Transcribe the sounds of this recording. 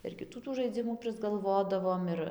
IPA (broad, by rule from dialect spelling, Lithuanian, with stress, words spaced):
ɪr kʲɪˈtuː tuː ʒɐɪˈd͡zʲɪmuː pʲrʲɪzɡɐlˠˈʋoːdɐʋoːm ˈɪr